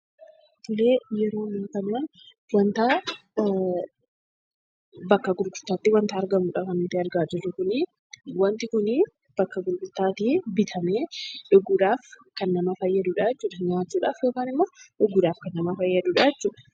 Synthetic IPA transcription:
t̪ʊleːjɛɾo̞ːnink̪ɐnːɐn | wɐnt̪aː | bɐkːɐɡʊɾɡʊɾt̪ːaːt̪ːɪwɐnt̪aːɐɾɡɐmuːᶑɐkɐnt̪ːɪɐɾɡaːd͡ʒɛrːʊkʊnɪ | wɐnt̪ɪkʊnɪ | b̥ɐkːɐɡʊɾɡʊɾt̪ːaːt̪ibɪt̪ʰɐmeːᶑʊɡːʊᶑ̪aːf | kɐnːɐmɐfɐjːɐd̪uːᶑajɛt͡ʃːuːᶑɐɲaːt͡ʃːuːᶑaːfjo̞ːkaːnɪmːɐᶑʊɡːʊːᶑ̪aːfkɐnːɐmɐfɐjːɐd̪uːᶑajɛt͡ʃːuːᶑɐ̥

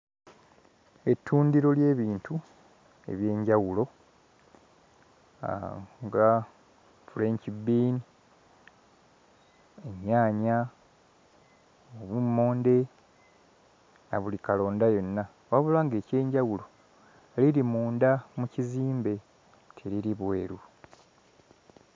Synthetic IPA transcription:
e̞tʰːuːndiɾo̞lje̞ːβiːntu | e̞̰βje̞ːɲɟawulo̞ | ŋɡa | fule̞ɲcibːiːni | eɲːaːɲa | oβumːo̞ːnde̞ | naβulikalo̞ːndajo̞nːa | βaβulaːŋɡe̞ːce̞ːɲɟawulo̞ | liɾimuːndamuciziːmbe̞ | tʰeɾiɾiβwe̞ːɾu

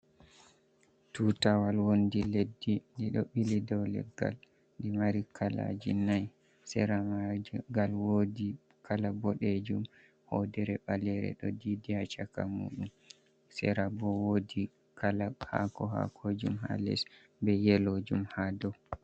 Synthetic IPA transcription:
tutawalwondiledːidiɗɔɓilidɔwlɛ̰ɡːa̰l | ndimaɾikʰala̰d͡ʒinaj | sɛ̰ɾamaɡalwodi | kʰalabɔɗed͡ʒum | hɔdɛɾɛɓalɛɾɛ̰ɗɔdidihat͡ʃakamṵːɗum | sɛ̰ɾabɔwodi | kalaha̰kɔɦa̰kʰod͡ʒumha̰lɛ̰s | bɛjɛlod͡ʒumhadɔ

